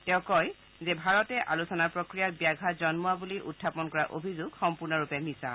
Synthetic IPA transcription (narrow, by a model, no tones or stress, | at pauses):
tɛʊ̃kɔj | zebʱaɹɔtɛʔalusɔnapɹokɹijabijaɡʱazɔnmuabuliʔṵtʰːapɔnkɔɹaʔo̰bʱizuɡxɔmpuɹnɔɹupɛmisa̰